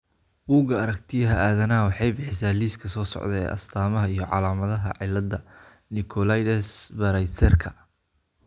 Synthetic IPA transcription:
buːɡɐɐɾɐk̚t̪ʰɪjɐɦɐaːðɐnɐwɑħɑjbɪħɪsaːliːskʰɐsɔːsɔ̰ʕd̪ɛɛ̰ːʔɐ̰st̪ʰaːmɐɦɐijɞʕɑ̰laːmɐðɐɦɐʕɪlɐd̪ɐ | nɪkʰɔlajd̪ɛsbɐɾɐjt̪ʰɛrkʰɐ̥

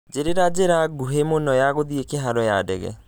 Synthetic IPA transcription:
d͡ʒeɾeɾad͡ʒeɾaɡ̚ɡuɦemonɔjaɡɔd̪iekeɦaɾɔjaːɖɛ̰ɡɛ̰

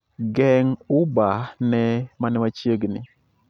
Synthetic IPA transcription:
ɡɛŋʊbanɛmanɛmat͡ʃjeɡnɪ

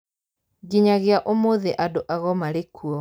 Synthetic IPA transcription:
ɡiɲaɣeaʔomoðeʔadoʔaɣɔmaɾekʰuɔ

